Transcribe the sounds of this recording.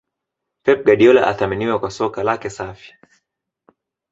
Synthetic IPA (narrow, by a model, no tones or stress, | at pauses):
pɛp̚ɡaɗiɔlaʔa̰θaminiwakwasɔkalakɛsafi̥